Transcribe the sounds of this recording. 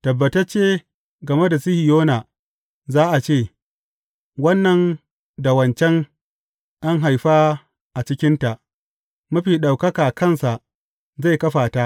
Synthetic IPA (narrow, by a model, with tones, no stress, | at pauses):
tɐ˨bːɐ˨tɐ˦t͡ʃeː˦ | ɡɐ˨me˦da˨si˦hi˨joː˦na˨ | zaː˦ʔa˨t͡ʃeː˦˨ | wɐ˦nːɐ˨n | da˨wɐ˨nt͡ʃɛ˦ŋ | ʔa˦ŋɦa˨jɸaː˦ | ʔa˨t͡ʃɪ˦kʲɪ˦nta˨ʔ | mɐ˦ɸiː˨ɗa˨wkɐ˦kaː˨kɐ˦nsa˨ʔ | za˦˨jkɐ˦ɸaː˨ta˦ʔ